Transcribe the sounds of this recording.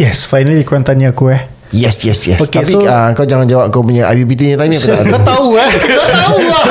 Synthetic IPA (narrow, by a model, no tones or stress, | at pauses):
jɛsfajnaliikuɾant̪anɲaːkuɛh | jɛsjɛsjɛ̰sokeapisoaəŋkawd͡ʒaŋand͡ʒawap̚kawpuɲaʔa̰wibit̪iɲat̪amɲakut̪kat̪auakət̪au